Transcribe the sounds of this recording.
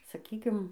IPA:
sɐˈkʲiːkʲɪm

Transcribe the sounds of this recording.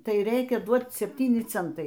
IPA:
ˈtɐɪ ˈrʲɛɪkʲɛ ˈduɔt͡s sʲɛpʲˈtʲiːnʲɪ ˈt͡sʲɛntɐɪ

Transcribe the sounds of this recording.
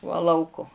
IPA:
ʋɐ ˈlˠɐʊkoː

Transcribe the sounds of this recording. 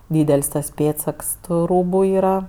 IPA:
ˈdʲiːdʲɛlʲsʲ tɐs ˈpʲeːtsɐks tʊ ˈruːbʊ ˈiːrɐ

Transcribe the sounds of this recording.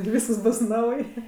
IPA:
ɪr ˈʋʲiːskɐs ˈbʊs ˈnɐʊj

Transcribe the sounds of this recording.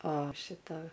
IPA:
oː ˈʃʲɪtɐ

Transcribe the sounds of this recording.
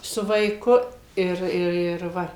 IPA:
sʊ ʋɐɪˈkʊ ˈɪr ɪr ɪr ˈʋɐ

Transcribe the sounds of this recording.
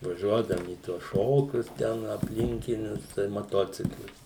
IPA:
ʋɐˈʒʲuɔdɐʋʊm iː ˈtuɔs ˈʃoːkʲʊs ˈtʲɛn ɐpʲˈlʲɪŋʲkʲɪnʲʊs sʊ tɐɪs mɐˈtoːt͡sʲɪklˠɐɪs

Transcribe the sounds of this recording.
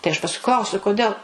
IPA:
tɐɪ ɐʃ pɐsˈkʊɪ ˈklˠɐʊsʲʊ kʊˈdʲeːlˠ

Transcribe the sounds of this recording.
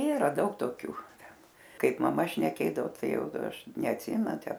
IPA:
ˈiːrɐ ˈdɐʊk toːˈkʲuː ˈtʲɛn ˈkɐɪp mɐˈmɐ ʃʲnʲɛˈkʲeːdɐʋoː ˈtɐɪ ˈjɛʊ ˈɐʃ nʲɛɐtʲˈsʲɪmʲɛnʊ ˈtʲæː

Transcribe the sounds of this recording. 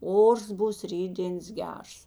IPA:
ˈoːrs ˈbuːs ˈrʲiːdʲdʲeːns ˈɡʲɛrs

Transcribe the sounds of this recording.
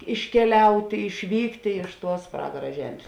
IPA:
ɪʃʲkʲɛˈlʲɛʊtʲeː ɪʃʲˈʋʲiːktʲeː ˈtuɔs ˈprɑːɡɐrɐ ˈʒʲɛmʲsʲ

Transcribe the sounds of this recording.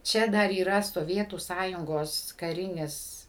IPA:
ˈt͡ʃʲɛ dɐr iːˈrɐ soːˈʋʲiɛtuː ˈsɑːjʊŋɡoːs kɐˈrʲɪnʲɪs

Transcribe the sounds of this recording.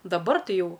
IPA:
dɐˈbɐr ˈtɐɪ ˈjɛʊ

